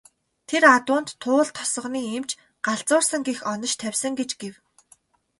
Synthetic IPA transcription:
t̪ʰerat̪ʊːnt̪ʰːʊːɮt̪ʰːɔ̥sɞ̆χniːemt͡ɕ | ɢ̥aɮt͡sʊːrsə̆ŋɡexɔnɞ̆t͡ɕt̪ʰæwʲsə̆ŋɡet͡ɕɡew

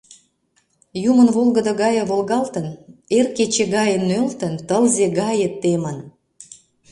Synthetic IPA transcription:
jumənβolɣəd̪əɣɑjəβolɣɑlt̪ənerket͡ɕeɣɑjənːølt̪ənt̪əlzeɣɑjət̪ːemən

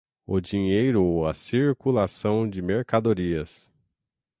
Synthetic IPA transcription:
ʊd͡ʒiɲejɾʊɐsiɾkulasɐ̃w̃d͡ʒɪmeɾkad̪oɾiɐs

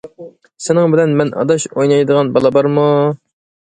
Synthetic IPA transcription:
sɪnɪŋbɪlɛnmɛnʔɑ̰d̪ɑʃojnɑjd̪əʁɑnbɑlˠɑbɑɾmu

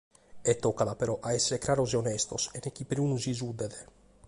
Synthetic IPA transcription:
ɛt̪ːokad̪apeɾɔʔaesːeɾekɾaɾozeonest̪osenekipɾiunuzizud̪ed̪e

